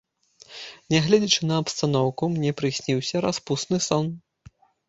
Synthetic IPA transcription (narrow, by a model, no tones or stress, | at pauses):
nʲɛɣlʲɛd͡zʲit͡ʂɨnɐɐpst̪anɔwkumnʲɛpɾɨsʲnʲiwsʲɐɾaspusnɨsɔn